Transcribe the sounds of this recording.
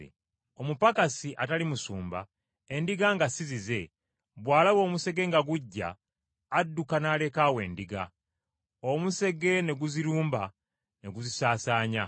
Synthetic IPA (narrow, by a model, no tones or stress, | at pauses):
ḛ | o̞mupakasiʔatalimusuːmba̰ | endiɡaŋɡasizize̞ | βwaːlaβo̞ːmuse̞ɡe̞ŋɡaɡuɟːa̰ː | dːukanaːle̞kawe̞ːndiɡa̰ | omuse̞ɡe̞ne̞ɡuziɾuːmba | ne̞ɡuzisaːsaːɲa̰